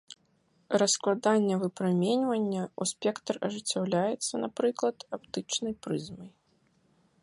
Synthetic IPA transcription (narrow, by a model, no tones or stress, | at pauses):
rɐsklˠad̪anʲːɐvɨpɾamʲenʲvɐnʲːɐusʲpʲɛkt̪ɐrɐʐɨt͡sʲːawlʲajɛt̪sːɐnapɾɨklˠɐt̪apt̪ɨt͡ʂnɐjpɾɨzmɐj